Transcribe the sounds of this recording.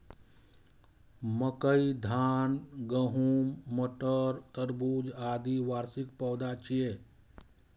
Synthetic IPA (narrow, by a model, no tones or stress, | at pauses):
məkəid̪ʱaːnɡəɦuːmːəʈəɾt̪əɾbuːd͡ʒaːd̪iʋaːɾsik̚pəːd̪at͡ʃʰije